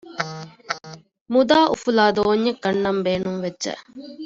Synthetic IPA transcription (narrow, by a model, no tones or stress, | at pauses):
mud̪aːʔṵfulaːd̪oːɲːɐkːɐnːɐmbeːnuŋʋedːʒɛ̰